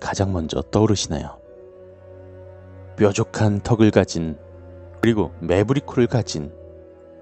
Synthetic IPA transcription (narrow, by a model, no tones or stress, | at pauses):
kad͡ʑaŋmʌnd͡ʑʌ̰t͈ʌɾɯɕʰina̰jo̰ | pjʌd͡ʑokʰantʰʌɡɯɭkad͡ʑin | kɯɾiɡome̞buɾikʰuɾɯɭkad͡ʑin